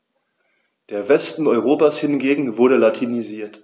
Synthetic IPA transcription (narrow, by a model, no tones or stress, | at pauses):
d̥eːɐvɛstn̩ɔʏʁ̞oːpashɪnɡeːɡŋ̩vʊɐɾəlatʰiniziːɐt